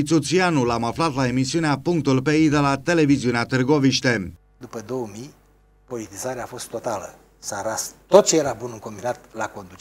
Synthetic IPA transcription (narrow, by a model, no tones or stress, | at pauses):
it̪sut̪sianulamaflat̪lae̞misiuneapuŋk̚t̪ulpeid̪elat̪e̞le̞viziuneat̪ɨrɡo̞viʃt̪e | d̪upəd̪o̞wəmij | po̞lit̪izaɾeaːfo̞st̪ːo̞t̪alə | saɾast̪o̞t̪̚t͡ʃejeɾabunɨŋko̞mbinat̪lako̞nd̪ut͡ʃ